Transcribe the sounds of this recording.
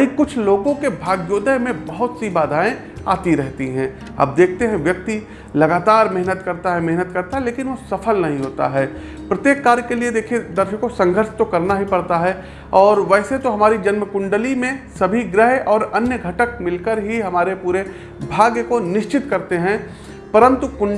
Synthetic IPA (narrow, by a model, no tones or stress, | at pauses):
ɦĩkʊt͡ʃʰloːɡõkebʱaːɡjoːd̪əɦmẽbɐɦʊt̪sibaːd̪ʱaːẽ | a̰ːt̪iɾɛɦt̪iɦɛ̃ | ɐ̰b̚d̪eːkʰt̪eɦɛ̃ʋjɐk̚t̪i | lɐɡaːt̪aːɾmɪɦnət̪kɐɾt̪aɦɛmɛɦnət̪kɐɾt̪aɦɛleːkɪnʋosɐfʰəlnɐɦĩɦoːt̪a̰ɦɛː | pɾɐt̪jeːkːaːɾjkelied̪eːkʰied̪ɐɾʃəkːosɐ̃ŋɡʱəɾʃt̪okɐɾnaɦipɐɽt̪aɦɛ | ɔːɾʋɛːset̪oɦɐmaːɾid͡ʒɐnmkʊ̃ɳɖəlimẽsɐbʱiɡɾəɦɔːɾɐnjəɡʱɐʈək̚mɪlkəɾɦiɦɐmaːɾepuːɾe | bʱaːɡjəkonɪʃt͡ʃɪt̪kɐɾt̪eɦɛ̃ | pɐɾə̃nt̪ukʊ